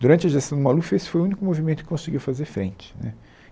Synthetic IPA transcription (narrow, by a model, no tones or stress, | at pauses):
d̪uɾɐ̃nt͡ʃɐʒest̪ɐ̃d̪ʊmalufesɪ̥fojʊũnikʊmovimẽnt̪ʊkɪ̥kõsɪɡiwfazeɾfɾḛ̃nt͡ʃɪ̥nɛ̰